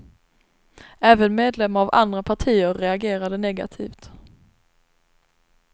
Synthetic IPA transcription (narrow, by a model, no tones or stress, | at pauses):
æːvənmeːd̪lɛmːaɾava̰nd̪ɾapʰaʈʰiːəɾːɛaɡeːɾad̪ənɛɡa̰t̪ʰḭːft̪